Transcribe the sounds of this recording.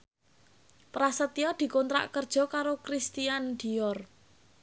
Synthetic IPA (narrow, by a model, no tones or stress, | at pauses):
pɾasət̪iɔd̪̥i̤kont̪ɾa̰ʔkərd̥ʒ̥ɔ̤kaɾokɾist̪iand̪̥i̤jɔr